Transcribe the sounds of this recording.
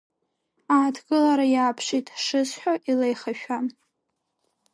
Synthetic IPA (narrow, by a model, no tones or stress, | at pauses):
aːtʰɡɨlaɾajaːpʰʂitʼʂɨzħʷᶣaʔilejχaʃᶣa